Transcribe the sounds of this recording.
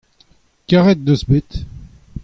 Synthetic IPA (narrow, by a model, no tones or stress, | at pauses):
kʲaʁɛt̪̚d̪əsbɪt̪